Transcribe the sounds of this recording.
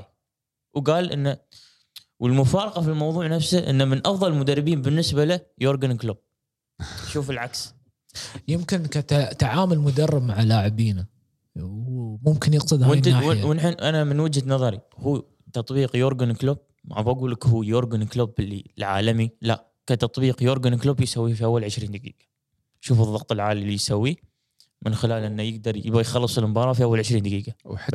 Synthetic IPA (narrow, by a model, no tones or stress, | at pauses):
wɡaːlʔɪ̰nːa | wəlmʊfɑːɾˤɑqɑfilmɑwðˤuːʕnafsaʔɪ̰nːamɪnʔɑfðˤɑlmʊd̪arˤːɪbiːnbɪnːɪsbalajoːɾɡankloːb̥̚ | ʃuːfɪlʕaks | jɪmkɪnkat̪at̪aʕaːmʊlmʊd̪ɑrˤːɪb̚maʕalaːʕɪbiːna | wmʊmkɪnjɪq̚t̪ɨd̪ɪnaaɪwɪnħʔanamɪnwəd͡ʒhanɑðˤɑɾḭhuː | t̪ɑt̪ˤbiːqjoɾɡanklob̚ | mʕɑvˤaɡuːlakhuːjoːɾɡanklobɪlːilʕa̰ːlamila̰ | kat̪ɑt̪ˤbiːqjoːɾɡanklubjsawːiːfiʔawːalʕɪʃɾiːnd̪aɡḭːɡa | ʃuːfɨðˤɑqt̪ˤɨlʕaːlijsawːi | mɪnxɪlaːlʔɪnːajɪɡ̚d̪ɑɾˤjɪbajxɑlːɨsˤɪlmbɑːɾˤɑːfiʔawːalʕɪʃɾiːnd̪aɡiːɡaħ